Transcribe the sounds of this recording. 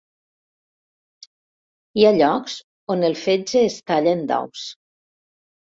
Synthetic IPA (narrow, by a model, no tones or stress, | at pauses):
iaʎɔkz | onelˠfed͡ʒeːst̪aʎend̪a̰ws